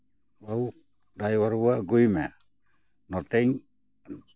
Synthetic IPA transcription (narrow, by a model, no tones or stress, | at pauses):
wau | dajwaɾuaɡuime | not̪eɲ